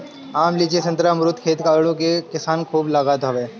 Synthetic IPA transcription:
aːmliːd͡ʒesɐ̃nt̪ɾamɾʊt̪ʰkʰeːt̪kaːʋɽõkekɪsaːnkʰuːblaɡaːt̪ɦɐʋeː

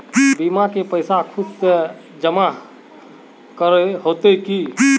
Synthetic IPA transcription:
bimakepəjsakʰud̪ | d͡ʒəma | kəɾɦot̪eki

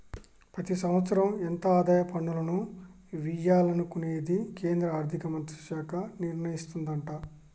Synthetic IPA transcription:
pɾɐt̪isɐmʋɐt̪sɐɾɐment̪ɐaːd̪aːjɐpɐɳːulɐnu | ʋijaːlɐnukuneːd̪ike̞ːnd̪ɾɐaːɾd̪ʱikɐmɐnt̪ɐ̥ʃaːkɐniɾɳɐjist̪und̪ɐɳʈa

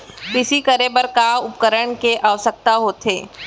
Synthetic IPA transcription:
kɪsikəɾebəɾkaʊpkəɾəɳ̃keʔaːʋsək̚t̪aɦoːt̪ɦḛː

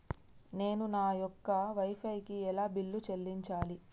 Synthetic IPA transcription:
ne̞ːnunaːjɔkːɐʋɐjpʰɐjkiɛlaːbilːut͡ʃelːiɲt͡ʃaːli

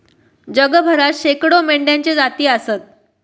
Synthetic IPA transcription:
d͡ʑəɡəbʱəɾat̪ɕekɽomeɳɖjaɲt͡ɕed͡zat̪iːəsət̪̚

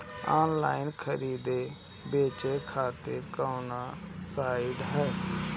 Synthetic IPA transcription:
aːnlaːɪnkʰəɾiːd̪eː | beːt͡ʃeːkʰaːt̪ɪɾkaːwnaːsaːɪɖɦɛː

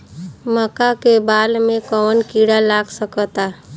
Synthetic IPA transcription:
məkakebaːlmẽkəwənkiɽalaːɡsəkət̪a

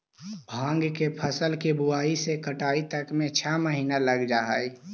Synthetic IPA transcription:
bʱãːŋɡkepʰəsəlkebuaːisekəʈaːit̪əkmet͡ʃʰɛməɦiːnaləɡd͡ʒaɦəj

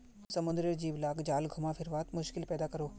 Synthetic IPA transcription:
sɐmʊ̃nd̪ɾəɾd͡ʒiːʋlaːkd͡ʒaːlɡʱʊmafʰɪɾʋaːt̪mʊʃkɪlpɛːd̪akɐɾoː

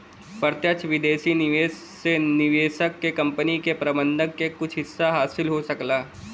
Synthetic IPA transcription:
pəɾt̪jət͡ʃʰʋɪd̪eːʃinɪʋeːs | enɪʋeːʃəkːekɐ̃mpənikepɾɐbə̃nd̪ʱəkːekʊt͡ʃʰɦɪsːaɦaːsɪlɦosɐklaː

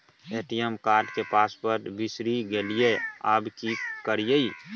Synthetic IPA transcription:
eːʈijəmkaːɾɖkepaːspəɾbɪsɾiɡeːliea̰ːbkikəɾijəi

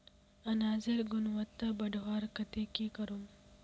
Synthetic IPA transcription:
ɐnaːzɪɾɡʊnwɐt̪ːabɐɖwaːɾkɐt̪ekikɐɾum

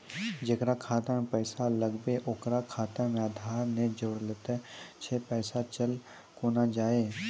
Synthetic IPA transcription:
d͡ʒekɾakʰaːt̪əmpəːsaləɡbeʔokɾakʰaːt̪əmad̪ʱaːɾnẽd͡ʒoːɽlet̪ɛt͡ʃʰepɛːsat͡ʃəl | koːnad͡ʒaːe

